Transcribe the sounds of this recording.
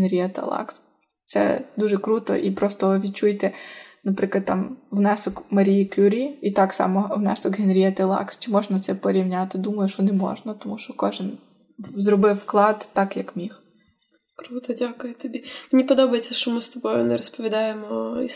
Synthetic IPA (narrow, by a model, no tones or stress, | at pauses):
nɾʲiɐt̪ɐ̰lˠɑ̰ks | t̪sɛ̰d̪uʒɛkɾut̪ɔ̰ʔipɾɔst̪ɔʋʲid̪̚t͡ʃujt̪ɛnɐpɾɪklˠɐd̪t̪ːɑmwnɛsɔkmɐɾʲijikʲuɾʲiit̪ɑksɑ̰mɔwnɛ̰sɔkɦenɾʲiɐt̪ɐlˠɑ̰kst͡ʃɪmɔʒnɐt̪sɛpɔɾʲiwnʲat̪ɪd̪umɐjʊʃt͡ʃɔnɛmɔ̰ʒnɐt̪ɔmuʃt͡ʃɔkɔʒɪn | zrɔbɪwːklˠɑd̪t̪ɑkjɐkmʲih | kɾut̪ɔdʲakʊjʊt̪ɔbʲimenʲipɔd̪ɔbɐjet͡sʲːɐʃt͡ʃɔmɪst̪ɔbɔjʊnɛɾɔspɔʋʲid̪ɑjemɔi